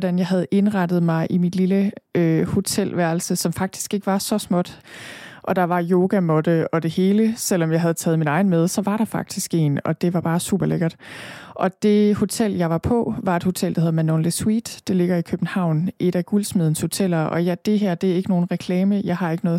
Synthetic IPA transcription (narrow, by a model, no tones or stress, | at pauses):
ɾ̥ænjɑɪɦæð̞̩ˠʔe̝nʁɑ̈d̥ð̩ˠmɑ̈ɪʔimid̥liləøho̝t͡sʰel̰ʋæɐl̩səsɒ̽mfɑ̈ɡ̥̚d̥i̥sɡ̥e̝ɡ̥əʋɑ̈sɒ̽smɒ̽d̥ʔɒ̽d̥ɑ̈ʋɑ̈jo̝ːɡ̥æmɔ̽d̥əɒ̽d̥e̝he̝ːləsel̰ɒ̽mjɑ̈ɪɦæð̞̩ˠt͡sʰɛːð̩ˠminɑ̈ɪn̩með̞ˠsɒ̽ʋɑ̈ɾ̥ɑ̈fɑ̈ɡ̥̚d̥isɡ̥e̝̰ːnɒ̽d̥e̝ʋɑ̈b̥ɑ̈ːsṵːb̥ɐleɡ̥ɐd̥ʔɒ̽d̥e̝ho̝t͡sʰel̰jɑ̈ɪʋɑ̈pʰɒ̽ʋɑ̈e̝d̥ho̝t͡sʰel̰d̥ɑ̈heðˠmænonliswḭːd̥ːe̝le̝ɡ̥ɐikʰøb̥n̩hɑ̈ʊ̰nʔe̝ɾæɡ̥ulsmeðˠən̩sho̝t͡sʰel̰ɐʔɒ̽jæd̥e̝ɦæɐ̰d̥e̝æɐe̝ɡ̥əno̝ːn̩ʁɛkʰlɛːməjɑ̈ɪɦhɑ̈e̝ɡ̥ənɔ̽ːð̩ˠ